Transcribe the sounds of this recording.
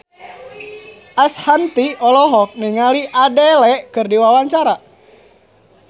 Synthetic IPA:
ʔashant̪iɔlɔɦɔk̚niŋaliʔadɛlɛkɨrdiwawaɲt͡ʃaɾa

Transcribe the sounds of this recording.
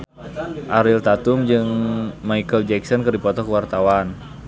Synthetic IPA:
ʔaɾɪlt̪at̪ʊmd͡ʒɨŋmaikəld͡ʒɛksɔnkɨrdipɔt̪ɔkəwart̪awan

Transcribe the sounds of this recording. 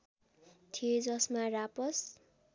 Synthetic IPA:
t̪ʰied͡zʌsmarapʌs

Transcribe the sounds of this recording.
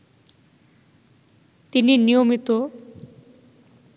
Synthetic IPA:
t̪ininijomit̪o

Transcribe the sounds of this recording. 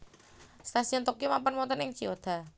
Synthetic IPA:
st̪asiɔnt̪ɔkimampənmɔt̪ənɪŋt͡ʃiod̪̥a̤

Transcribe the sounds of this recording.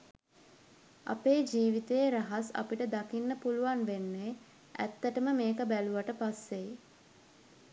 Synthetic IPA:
a̰peːd͡ʒiːʋit̪ejːɾaɦasa̰piʈəd̪akinːəpuluʋanʋenːeː | ʔæ̰t̪ːəʈəməmeːkəbæluʋaʈəpasːej

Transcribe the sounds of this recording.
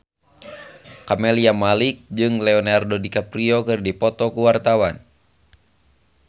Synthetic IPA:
kamɛliamalik̚d͡ʒɨŋlɛɔnardɔdikapɾiɔkɨrdipɔt̪ɔkuwart̪awan

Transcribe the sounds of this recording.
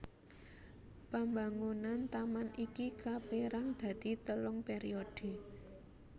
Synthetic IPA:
pambaŋunant̪amanʔikikapeɾaŋd̪̥ä̤d̪̥i̤t̪əlʊŋpeɾiod̥e̤

